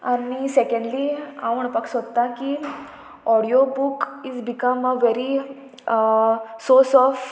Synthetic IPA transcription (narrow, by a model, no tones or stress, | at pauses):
anisekẽɳɖliaʋəɳpəksod̪t̪aki | ɔɽiobukizbikəməʋeɾi | sosɔf